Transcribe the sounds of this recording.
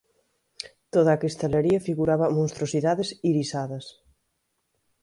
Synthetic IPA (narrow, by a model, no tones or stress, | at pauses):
t̪oðɐːkist̪aleɾiɐfiɣuɾaβɐmõnst̪ɾosiðaðesiɾisaðɐs